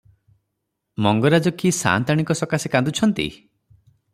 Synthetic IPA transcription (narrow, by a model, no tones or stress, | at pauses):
mɔŋɡɔɾad͡ʒɔkʰisa̰nt̪aɽ̃ikɔsɔkasikand̪ut͡ʃʰɔnt̪ḭ